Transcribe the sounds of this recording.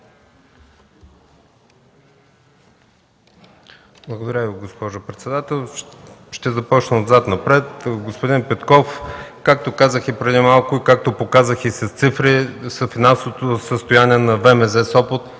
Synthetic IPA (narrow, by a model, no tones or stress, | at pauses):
blˠɐɡod̪ɐɾʲəviɡospɔʒʊpɾɛt̪sɛd̪at̪ɛlˠʃt̪ɛzɐpɔt͡ʃnəod̪zat̪nɐpɾɛt̪ɡospod̪inpɛt̪kɔfkak̚t̪okazəxipɾɛd̪imalˠkʊikak̚t̪opokazəxisɐst̪sifɾisəfinansovot̪osəst̪ojaniɛnɐvɛmɛzɛsɔpət̪